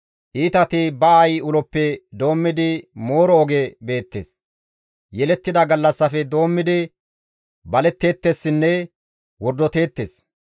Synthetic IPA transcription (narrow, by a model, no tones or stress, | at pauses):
ʔiːt̪ɐt̪ɪbɐɐjʊlɔpːɛd̪o̞ːmːɪd̪ɪmo̞ːɾɔɔɡɛbe̞ːt̪ːeːs | jɛlɛt̪ːɪd̪ɐɡɐlːɐsːɐfɛd̪o̞ːmːɪd̪ɪ | bɐlɛt̪ːe̞ːt̪ːesːɪnːɛ | wɔɾd̪ɔt̪e̞ːt̪ːeːs